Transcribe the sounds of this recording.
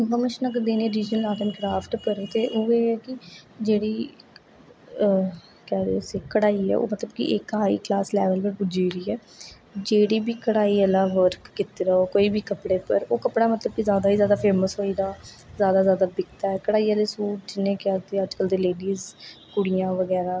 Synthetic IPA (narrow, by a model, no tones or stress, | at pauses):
ʋəmət͡ʃnakd̪eːniɛ̃ɾiːd͡ʒnəlaːʈənkɾaːpʈpəɾt̪eːʔʊeːɛːkɪd͡ʒeːɽiː | kɛːɾesiːkəɽaːiːɛ̰ːʔo̰ːmət̪ləbkɪ̰ʔekːɦaːḭːklaːslɛːʋəlpəɾpʊd͡ʒiːɾiːɛː | d͡ʒeːɽiːbiːkəɽaːiːəlãːʋəɾkːɪt̪iːɾəɦoːkoːiːbʱiːkəpɽeːpəɾoːkəpɽaːmət̪ləb̚kɪzjaːd̪aːɦiːzjaːd̪aːpʰeːməsɦoːiːd̪aː | zjaːd̪aːzjaːd̪aːbɪkt̪aːɛːkəɽaːiːaːleːsuːʈd͡ʒɪnːẽːkɪaːt̪eːəd͡ʒkəld̪eːleːɖiːzkʊɽijãːʋəɡɛːɾaː